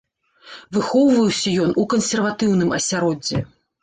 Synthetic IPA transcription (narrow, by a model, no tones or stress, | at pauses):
vɨxɔwvɐjwsʲɐjɔnʔukɐnsʲɛrvat̪ɨwn̪ɨmɐ̰sʲaɾɔd͡zʲːɛ̰